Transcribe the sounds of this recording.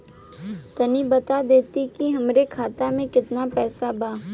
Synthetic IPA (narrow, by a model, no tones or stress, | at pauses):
t̪ɐnibɐt̪ad̪eːt̪ikiɦɐmɾekʰaːt̪amẽkɪt̪napɛːsabaː